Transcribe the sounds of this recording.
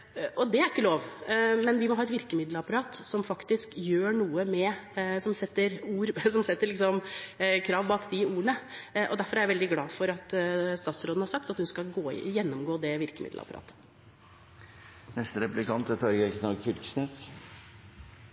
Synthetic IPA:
ʔɔd̪ɛæɾɪkːəloːʋmɛnʋɪmɔhɑːɛt̪ʋɪɾkəmɪd̪ləɑpɑɾɑːt̪sɔmfɑkt̪ɪskjøːɳuːəmɛsɔmsɛt̪ːəɾuːɾsɔmsɛt̪ːəɭɪksɔmkʰɾɑːʋbɑːkd̪ɪuːəɳəʔɔd̪æɾfɔɾæɾjæʋɛld̪ɪɡlɑːfɔɾɑt̪st̪ɑːt̪sɾoːd̪n̩hɑɾʂɑkt̪ɑt̪hʉnskɑɡoːjɛnːɔmɡoːd̪ɛʋɪɾkəmɪ̰d̪̰ɑ̰pɑɾɑ̰ːt̪ʰə̥ | nɛst̪əɾɛplɪkʰɑnt̪ɛt̪ʰɑːɾɡɛknɑɡçʏɾksneːs

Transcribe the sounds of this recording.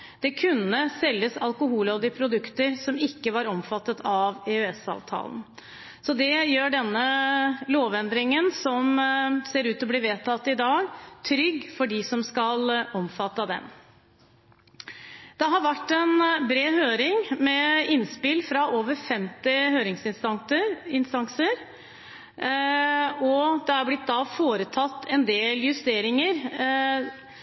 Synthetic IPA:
d̪̥ɛkʰʉnːəsɛlːəsɑlkʊɦuːlɑʋd̪ɪpʰɾʊd̪ʉkt̪əɾsɔmɪkːəʋɑɾɔmfɑt̪ːət̪ʰɑʋɛʉɛsɑ̰ːʋt̪ʰɑ̰ːln̩ | sɔd̪ɛjøːɖɛnːəloːʋɛnd̪ɾɪŋənsɔmseːɾʉːt̪ɔbliːʋeːt̪ʰɑt̪ːɪd̪ɑːɡt̪ʰɾʏɡfɔɖɪsɔmskɑlɔmfɑt̪ːəd̪ɛ̰m | d̪̥ɛɦɑɾʋæʈːɛnbɾeːhøːɾɪŋmɛɪnspɪlfɾɑʔoːʋəɾfɛmt̪ɪhøːɾɪŋsɪsɑɪnst̪ɑŋsəɾ | ɔd̪̥ɛæɾblɪt̪̚d̪ɑfoːɾət̪ʰɑt̪ːɛnd̪eːljʉst̪eːɾɪŋəɾ

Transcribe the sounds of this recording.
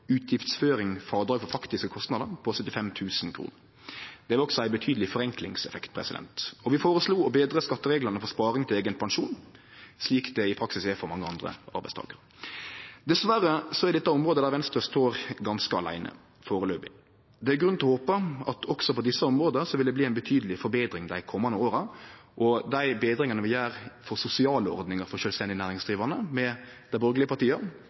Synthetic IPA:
ʉːt̪ʰjɪft̪sføːɾɪŋfɑɾd̪ɾɑːɡfɔɾfɑkt̪ɪskəkʰɔst̪nɑːd̪ənpʰɔsœt̪ːɪfɛmt̪ʰʉːsnkʰɾṵːnəɾ | d̪̥ɛʋɪlɔksɔæɪbət̪ʰyːd̪əlɪfɔɾɛŋklɪŋsɛfɛkt̪̚pʰɾɛ̰sɪd̪ɛ̰nt̪ɔʋɪfoːɾəsluːɔbeːd̪ɾəskɑt̪ːəɾeːɡlənəfɔspɑːɾɪŋt̪ɪleːɡənpʰɑnʃuːn | sliːkd̪ɛɪpʰɾɑksɪsɛfɔɾmɑŋːəɑnd̪ɾə̰ɑɾbæɪst̪ʰɑ̰ːɡəɾ | d̪ɛsʋæɾːəsɔɛɾd̪ɛt̪ːɑɔmʁoːd̪əd̪æʁʋɛnst̪əst̪oːɾɡɑnskəɑ̰læ̰ɪnə̰ | foːɾəløːbɪ | d̪ɛæɾɡɾʉnlɔhoːpəɑt̪ʰɔksɔpɔd̪ɪsːəɔmɾʁoːd̪əəsɔʋɪld̪ɛbliːæɪnbət̪ʰyːd̪əlɪfɔɾbeːd̪ɾɪŋd̪æɪkʰɔmːɑnəoːɾɑ | ʔɔd̪æɪbeːd̪ɾɪŋɑnəʋɪjæːɾfɔɾsʊsɪɑːləɔ̰ɾd̪nɪŋəɾfɔɾʃœːlst̪ɛnd̪ɪnæːɾɪŋsd̪ʁiːʋɑnəmɛ | d̪æɪbœɾɡəlɪəpɑʁt̪iːə

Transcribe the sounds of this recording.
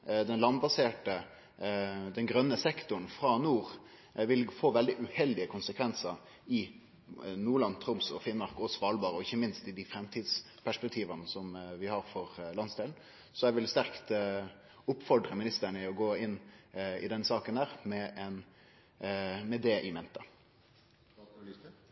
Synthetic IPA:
d̪ɛnlɑnbɑseːʈə | d̪ɛnɡɾœnːəsɛkt̪ʊɳ̩fɾɑnuːɾ | ʋɪlfoːʋɛld̪ɪʔʉhɛld̪ɪəkʰʊnsəkʰʋɛnsəɾ | ɪ | nuːɭɑnt̪ʰɾʊmsɔ̰fɪnmɑɾkɔsɔʋɑːlbɑːɾəɔɪçːəmɪnst̪ɪd̪ifɾɛmt̪ʰiːd̪s | pʰæʂpɛk̚t̪ʰiːʋɑnsɔmʋɪhɑɾfɔɾlɑnsd̪eːln̩ | sɔjɛʋɪlst̪æʁkt̪ | ʊpːfɔɾd̪ɾəmɪnɪst̪əɳəɪɔɡoːɪnːɪ̰d̪ɛnsɑːkənd̪æːɾmɛʔɛn | mɛd̪ɛʔɪmɛnt̪ə

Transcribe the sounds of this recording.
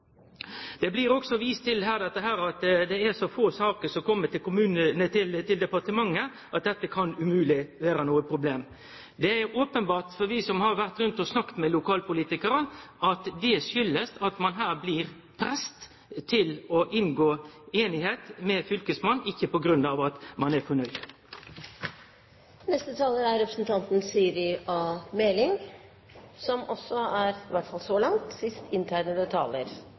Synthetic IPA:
d̪̥ɛblɪɾɔksɔʋiːst̪ʰɪlɦæːɾd̪ɛt̪ːəɦæːɾɑt̪d̪ɛæɾsɔfoːsɑːkəɾsɔkʰɔmːəʈ̪ɪkʊmʉːnənət̪ʰɪlt̪ɪld̪ɛpɑɾʈ̪əmɑŋːə | ʔɑt̪̚d̪ɛt̪ːəkʰɑnʉmʉːlɪʋeːɾənuːəpʰɾʊbleːm | d̪ɛæɾʔoːpənbɑːʈ̪fɔɾʋɪsɔmhɑɾʋæɾt̪ɾʉnt̪ɔsnɑkt̪mɛlʊkʰɑːlpʊliːt̪ɪkəɾəʔɑt̪d̪ɛʂʏlːəsɑt̪mɑnɦæːɾblɪːɾ | pʰɾɛst̪ | t̪ʰɪlɔʔɪnɡoːeːnɪheːt̪mɛfʏlkəsmɑnːɪçːəpɔɡɾʉnɑːʋɑt̪mɑnæfɔɳœʏd̪ | nɛst̪ət̪ʰɑːləɾæɾɛpɾə̥sn̩t̪ʰɑnt̪n̩syːɾɪʔɔmɛlɪŋ | sɔmʔɔsːɔæɾʋæʈfɑlsɔlɑŋt̪sɪst̪ʰɪnt̪ʰæːɳəd̪ɛt̪ʰɑ̰ːləɾ

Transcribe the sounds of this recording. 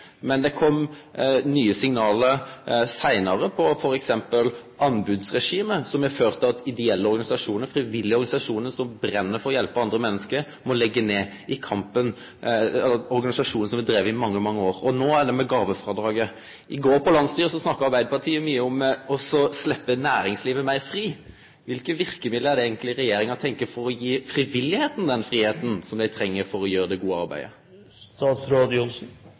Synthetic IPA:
mɛnd̪ɛkʰɔm | nyːəsɪŋnɑːləɾsæɪnɑɾəpʰɔfɔɾɛksɛmpəlʔɑnbʉd̪sʁɛʂiːməsɔmjɛføːɾt̪əɑt̪ɪd̪ɛɛlːəɔɾɡɑnɪsɑʂuːnəɾfɾɪʋɪlːɪɔɾɡɑnɪsɑʂuːnəɾsɔmbɾɛnːəfɔɾɔjɛlpəɑnd̪ɾəmɛnːəskəɾ | mɔlɛɡːəneː | ɪkʰɑmpən | ɛɔɾɡɑnɪsɑʂuːn̩sɔmʋɪd̪ɾeːʋəɪmɑŋːəmɑŋːəoːɾɔnoːæɖɛmɛɡɑːʋəfɾɑːd̪ɾɑːɡə | ʔɪɡoːɾpʰɔlɑnst̪yːɾəsɔsnɑkːəɾɑɾbæɪd̪əpʰɑʈʰiːəmyːəɔmːɔsɔslɛpːənæːɾɪŋsliːʋəmæɪɾfɾiː | ʋɪlkəʋɪɾkəmɪd̪ləæɖ̪ɛeːɡənt̪lɪəɾɛjeːɾɪŋɔt̪ʰɛŋkəɾfɔɾɔjiːfɾɪʋɪlːɪheːt̪n̩d̪ɛnfɾiːheːt̪n̩sɔmd̪æɪt̪ʰɾɛŋːəɾfɔɾɔjøːɾəd̪ɛɡuːəɑɾbæ̰ɪd̪ə̰ | t̪ɑːt̪sɾoːd̪ʊlsn̩

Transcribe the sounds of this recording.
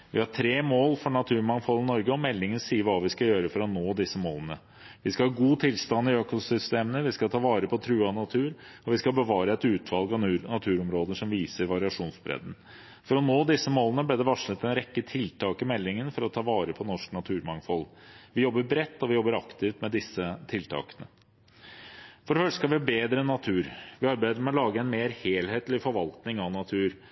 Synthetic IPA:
ʋɪhɑʈʰɾeːmoːlfɔɳɑt̪ʰʉːɾmɑŋfɔlnɔɾɡəɔmɛlːɪŋənsiːəɾʋɑːʋɪskɑjøːɾəfɔɾɔnoːd̪ɪsːəmoːlənə | ʋɪskɑhɑːɡuːt̪ʰɪlst̪ɑnːɪøːkʊsʏst̪eːmənəʋɪskɑt̪ʰɑːʋɑːɾəpʰɔt̪ʰɾʉːɑnɑt̪ʰʉːɾɔʋɪskɑbəʋɑːɾəɛt̪ʉːt̪ʰʋɑlˠɡɑnɑt̪ʰʉːɾɔmɾoːd̪əʂɔmʋiːsəɾʋɑɾɪɑʂuːnsbɾɛ̰d̪n̩ | fɔɾɔnoːd̪ɪsːəmoːlənəbleːd̪ɛʋɑʂnət̪ɛnɾɛkːət̪ʰɪlt̪ʰɑːkɪmɛlːɪŋənfɔɾɔt̪ʰɑːʋɑːɾəpʰɔnɔʂknɑt̪ʰʉːɾmɑŋfɔlʋɪjɔbːəɾbɾɛt̪ːɔʋɪjɔbːəɾɑkt̪ɪft̪mɛd̪ɪsːət̪ʰɪlt̪ʰɑ̰ːkənə | fɔɖəfœʂskɑʋɪɑbeːd̪ɾəɛnːɑt̪ʰʉːɾʋɪɑɾbæɪd̪əmɛɔlɑːɡəɛnmeːɾheːlheːt̪lɪfɔɾʋɑlt̪nɪŋɑnɑt̪ʰʉːɾ

